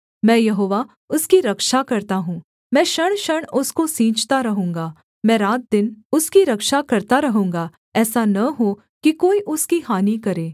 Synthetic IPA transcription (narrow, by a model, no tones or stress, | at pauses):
mɛ̃ːjɐɦoːʋa | ʊskiɾɐkʃakɐɾt̪aɦũː | mɛ̃ːʃɐɽ̃ʃɐɽ̃ʊskosĩːt͡ʃt̪aɾɐɦũːŋɡaː | mɛ̃ɾaːt̪̚d̪ɪnʊskiɾɐkʃakɐɾt̪aɾɐɦũːŋɡaː | ɛːsanɐɦo | kikoːiʔʊskihaːnikɐɾeː